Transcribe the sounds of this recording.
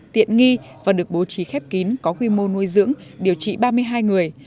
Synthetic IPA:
t̪ḭ˧˨ənŋi˧vaː˨˩ɗɨ˨˩ək̚ɓo˨˦t͡ɕi˨˦xɛ˦˥p̚ki˨˦nkɔ˨˦xwi˧mo˧nu˧əjzɨ̰˧˥əŋɗi˨˩əwt͡ɕḭ˧˨ɓaː˧mɨ˧əjɦaː˧jŋɨ˨˩əj

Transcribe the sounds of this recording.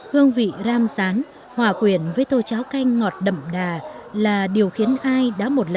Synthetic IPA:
hɨ˧əŋvḭ˧˨zaː˧msaː˨˦n | hwaː˨˩kwi˧˩ənvəː˨˦jt̪o˧˩t͡ɕaː˨˦wka˧jŋ̟ŋɔ˨˩t̚ɗə̰˧˨mɗaː˨˩laː˨˩ɗi˨˩əwxi˨˦ənʔaː˧jɗa̰ː˧˥mo˨˩t̚lə˨

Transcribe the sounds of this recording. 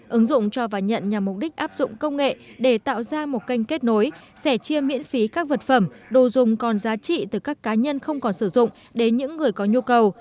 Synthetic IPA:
ʔɨ˨˦ŋzʊ̰˧˨ŋ͡mt͡ɕɔ˧vaː˨˩ɲə̰˧˨nɲa˨˩mːʊ˨˩p̚ɗï˦˥k̟̚ʔaː˦˥p̚zʊ̰˧˨ŋ͡mkə˧wŋ͡mŋḛ˧˨ɗe˧˩t̪a̰ː˧˨wzaː˧mo˨˩t̚ka˧jŋ̟ke˦˥t̚no˨˦jsɛ˧˩t͡ɕi˧əmḭ˧˥ənfi˨˦kaː˦˥k̚və˨˩t̚fə˧˩mɗo˨˩zʊ˨˩ŋ͡mkɔ˨˩nzaː˨˦t͡ɕḭ˧˨t̪ɨ˨˩kaː˦˥kːaː˨˦ɲə˧nxə˧wŋ͡mkɔ˨˩nsɨ˧˩zʊ̰˧˨ŋ͡m | ɗe˨˦nɲɨ̰˧˥ŋːɨ˨˩əjkɔ˨˦ɲu˧kə˨˩w

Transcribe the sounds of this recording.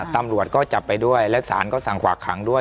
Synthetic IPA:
t̪a˧mɾu˨˩ət̪̚kɔː˥˩t͡ɕa˨˩pːa˧jdu˥˩əjlɛ˦˥wsa̰ː˩˦nkɔː˥˩sa˨˩ŋkʰwaː˨˩kʰːa˩˦ŋdu˥˩ə

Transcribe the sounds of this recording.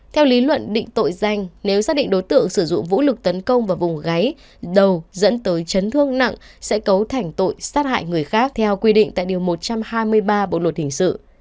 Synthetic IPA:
t̪ʰɛ˧wli˨˦lwə̰˧˨nɗḭ̈˧˨ŋ̟t̪o̰˧˨jza˨˩jŋ̟ne˨˦wzaː˦˥ɗḭ̈˧˨ŋ̟ɗo˨˦jt̪ɨ̰˧˨əŋsɨ˧˩zʊ̰˧˨ŋ͡mvṵ˧˥lɨ˨˩k̚t̪ə˨˦nkə˧wŋ͡mvaː˨˩vʊ˨˩ŋ͡mɣa˨˦j | ɗə˨˩wzə̰˧˥nt̪əː˨˦jt͡ɕə˨˦nt̪ʰɨ˧əŋna̰˧˨ŋsɛ̰˧˥kə˨˦wt̪ʰa˨˩jŋ̟t̪o̰˧˨jsaː˦˥t̚ha̰ː˧˨jŋɨ˨˩əjxaː˦˥k̚t̪ʰɛ˧wkwi˧ɗḭ̈˧˨ŋt̪a̰ː˧˨jɗi˨˩əwmo˨˩t̚t͡ɕa˧mhaː˧jmɨ˧əjɓaː˧ɓo̰˧˨lwə˨˩t̚hï˨˩ŋ̟sɨ̰˧˨

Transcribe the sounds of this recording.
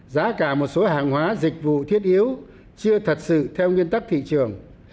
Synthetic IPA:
zaː˨˦kaː˧˩mo˨˩t̚so˨˦haː˨˩ŋhwaː˨˦zï˨˩k̟̚vṵ˧˨t̪ʰi˦˥ət̚ʔi˨˦əw | t͡ɕɨ˧ət̪ʰə˨˩t̚sɨ̰˧˨t̪ʰɛ˧wŋwi˧ənt̪a˦˥k̚t̪ʰḭ˧˨t͡ɕɨ˨˩əŋ

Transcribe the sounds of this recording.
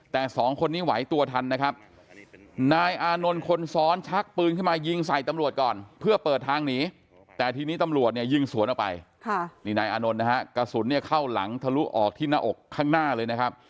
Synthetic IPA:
t̪ɛː˨˩sɔː˩˦ŋkʰo˧nːiː˦˥˩wa˩˦jt̪u˧ɐt̪ʰa˧nːa˦˥kʰa˦˥p̚ | naː˧jʔaː˧no˧nkʰo˧nsɔː˦˥nt͡ɕʰa˦˥k̚pɯː˧nkʰɯ˥˩maː˧ji˧ŋsa˨˩jt̪a˧mɾu˨˩ət̪̚kɔː˨˩npʰɯ˥˩ɐpɤː˨˩t̪ʰːaː˧ŋniː˩˦˥ | t̪ɛː˨˩t̪ʰiː˧niː˦˥t̪a˧mɾu˨˩ət̪̚ni˥˩əji˧˩ŋsu˨˩˦ənʔɔ˨˩pa̰˧jkʰniː˧˩naː˧jʔaː˧no˧nːa˦˥ɦa˦˥ka˧su˩˦nːi˥˩ɐkʰa˥˩wla̰˩˦ŋt̪ʰa˧lu˦˥ʔɔː˨˩k̚t̪ʰiː˥˩na˦˥ʔo˨˩kʰːaː˥˩ŋnaː˥˩lɤː˧jna˦˥kʰa˦˥p̚

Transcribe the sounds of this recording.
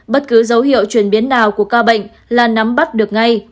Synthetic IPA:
ɓə˦˥t̚kɨ˨˦zə˨˦whḭ˧˨əwt͡ɕwi˧˩ənɓi˨˦ənːaː˨˩wku˧˩əkaː˧ɓə̰˧˨jŋ̟ | laː˨˩na˨˦mɓa˦˥t̚ɗɨ˨˩ək̚ŋa˧j

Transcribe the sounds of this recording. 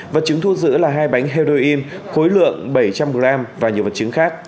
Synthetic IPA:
və˨˩t̚t͡ɕɨ˨˦ŋt̪ʰu˧zɨ̰˧˥laː˨˩ɦaː˧jɓa˨˦jŋ̟ɦe˧zo˧ʔi˧nxo˨˦jlɨ̰˧˨əŋɓə˧˩jt͡ɕa˧mɓɨ˨˩laː˧mvaː˨˩ɲ˨˩əwvə˨˩t̚t͡ɕɨ˨˦ŋxaː˦˥k̚

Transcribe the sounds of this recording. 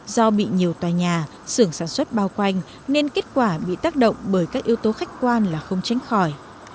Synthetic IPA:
zɔ˧ɓḭ˧˨ɲi˨˩əwt̪waː˨˩jɲaː˨˩ | sɨ˧˩əŋsaː˧˩nswə˦˥t̚ɓaː˧wkwa˧jŋ̟ | ne˧nke˦˥t̚kwaː˧˩ɓḭ˧˨t̪aː˦˥k̚ɗə̰˧˨wŋ͡mɓəː˧˩jkaː˦˥k̚ʔi˧əwt̪o˨˦xa˦˥jk̟̚kwaː˧nlaː˨˩xə˧wŋ͡mt͡ɕa˨˦ŋ̟xɔ˧˩j

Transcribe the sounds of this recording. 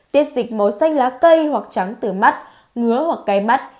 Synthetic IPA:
t̪i˦˥ət̚zï˨˩k̟̚mo˨˩jsa˧jŋ̟laː˨˦kə˧jhwa˨˩k̚t͡ɕa˨˦ŋt̪ɨ˧˩ma˦˥t̚ | ŋɨ˨˦əhwa˨˩kːa˧jma˦˥t̚

